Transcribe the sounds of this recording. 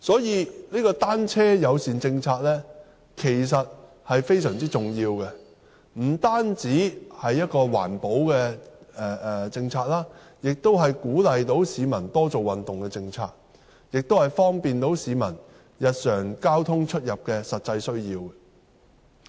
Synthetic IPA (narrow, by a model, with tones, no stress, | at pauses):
sɔː˨˥jiː˨˧niː˥kɔː˧t̪aː˥nt͡sʰɛː˥jɐ˨˧wsiː˨nt͡sɪ˧ŋt͡sʰaː˧k̚lɛː˥ | kʰe˨˩js̬ɐ˨t̚ | hɐ˨jfe˥jsœː˨˩ŋt͡siː˥t͡sʊ˨ŋjiː˧wkɛ˧ | m̩˨˩t̪aː˥nt͡siː˨˥hɐ˨jːɐ˥t̚kɔː˧wa̰ː˨˩npo˨˥wkɛ˧ɛː˨˩˨t͡sɪ˧ŋt͡sʰaː˧k̚laː˥ | jɪ˨k̚t̪o˥wɦɐ˨jkuː˨˥lɐ˨jt̪o˨˥wsiː˨˧mɐ˨˩nt̪ɔː˥t͡so˨wɐ˨nt̪ʊ˨ŋkɛ˧t͡sɪ˧ŋt͡sʰa̰ː˧k̚ | jɪ˨k̚t̪o˥whɐ˨˩jfɔː˥ŋpiː˨nt̪o˨˥wsiː˨˧mɐ˨˩n | jɐ˨t̚sœː˨˩ŋkaː˥wt̪ʰʊ˥ŋt͡ʃʰɵ˥t̚jɐ˨p̚kɛ˧sɐ˨t̚t͡sɐ˧jsɵ˥ɥjiː˧w